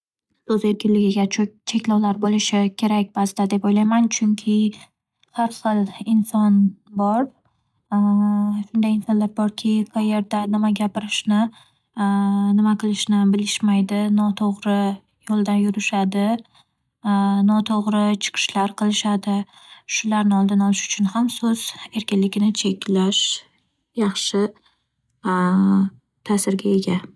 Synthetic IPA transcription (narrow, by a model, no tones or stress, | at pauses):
sɵze̞ɾkʲɪnlɪɡʲɪɡʲat͡ʃʰe̞kʲlɒwlaɾbolɪʃɪkʲʰe̞ɾak̚ʲbast̪ad̪e̞pojlajmant͡ʃʰʊŋkʲʰɪ | hɑɾχɨlˠɪnsɒnbɒɾ | ʃʊnd̪ajɪnsɒnlaɾbɒɾkʲʰɪqʰɑje̞ɾd̪anɪmaɡʲapɪɾɪʃnɪ | nɪmaqʰɨlˠɪʃnɪbɪlɪʃmajd̪ɪnɒt̪ʰoʁɾɪ | jolˠd̪anjʊɾɪʃad̪ɪ | nɒt̪ʰoʁɾɪt͡ʃʰɨ̥qʰɨ̥ʃlaɾqʰɨlˠɪʃad̪ɪʃʊlaɾnɪɒlˠd̪ɪnɒlˠɪʃʊ̥t͡ʃʰʊnhamsɵz̥e̞ɾkʲɪnlɪɡʲɪnɪt͡ʃʰe̞kʲʰlaʃ | jɑχʃɪ | t̪ʰasɪɾɡʲae̞ɡʲa